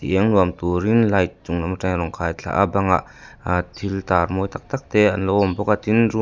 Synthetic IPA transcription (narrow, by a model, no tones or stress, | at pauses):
tiʔɛŋnuəmt̪uɾinlajt͡suŋnamaʈ͡ʂaŋɾɔŋkʰajt͡ɬʰa̰ʔa̰baŋa̰ʔ | t̪ʰilt̪armɔjt̪ak̚t̪ak̚t̪ɛanlɔwɔmbɔkat̪inru